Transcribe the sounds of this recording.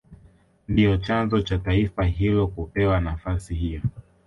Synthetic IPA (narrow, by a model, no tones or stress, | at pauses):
ndijɔt͡ʃanzɔt͡ʃataifaɦilɔkupɛwanafasihijɔ